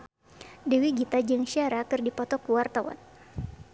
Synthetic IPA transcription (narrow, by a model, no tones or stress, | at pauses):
dewiɡit̪ad͡ʒɨŋʃiaɾakɨrdipɔt̪ɔkuwart̪awa̰t̪̚